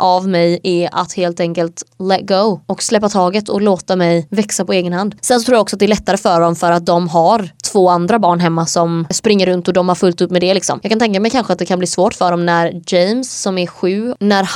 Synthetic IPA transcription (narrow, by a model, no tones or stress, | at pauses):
ʔavmɛjɛa̰t̪heːlt̪ɛŋkəlt̪lɛt̪ɡoʊɔkslɛpːat̪ʰɑːɡət̪ʰɔloːt̪amɛjvɛksapɔeːɡənhand̪sɛnsɔt̪ʰɾuːjɔksɔt̪̚d̪ɛɭɛt̪ːaɾəfœɖɔmfœɾat̪̚d̪ɔmɦaɾt̪ʰv̥oːand̪ɾabɑːɳɦɛmːasɔmspɾɪŋːəɾɵnt̪ɔd̪ɔmhaɾfɵlt̪ɵpːmɛd̪ɛlɪksɔ̰mjɑːkant̪ɛŋkamɛjkʰanɧəat̪̚d̪ɛkʰanbliːsvoːʈfœɖɔmnæɾd͡ʒɛjmsːɔmæɧʉ̟ːnæɾ